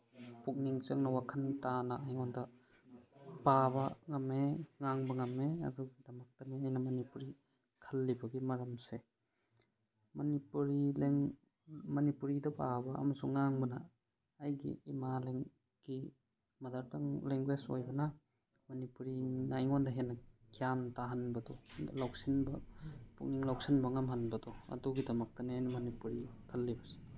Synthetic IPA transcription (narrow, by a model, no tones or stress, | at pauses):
puk̚niŋt͡ʃɐŋnɐwakʰɐntanaajŋɔndɐ | b̥abɐŋɐmeŋaŋbɐŋɐmeɐ̰duɡidɐmak̚taniajnɐmɐnipuɾi | kʰalːibɐɡimɐɾɐmse | mɐnipuɾileŋ | mɐnipuɾidɐbabɐɐ̰mɐsuŋːaŋbɐnaː | jɡḭːmaleŋ | ɡ̥i | mɐdɐɾtɐŋleŋɡweso̰jbɐnɐ | mɐnipuɾinaiŋondɐɦenːɐkʰijantaɦanbɐdɔlawk̚sinbɐpṵŋniŋlawk̚sinbɐŋɐmɦanbɐdɔɐ̰duɡidɐmɐk̚tɐneajnɐmɐnipuɾikʰɐlːibɐse̥